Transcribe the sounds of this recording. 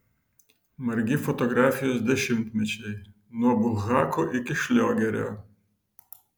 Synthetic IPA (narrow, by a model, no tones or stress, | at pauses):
maɾɡʲifɔt̪ɔɡɾafʲijɔzd̪ɛʃimt̪mɪt͡ɕɛj | nɔbuɣakʰɔʔikʲiʃlʲɔɡʲɛɾʲɔ̰